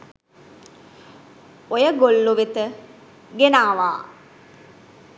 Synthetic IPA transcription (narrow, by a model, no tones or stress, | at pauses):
ojəɡolːuʋet̪ə | ɡenaːʋaː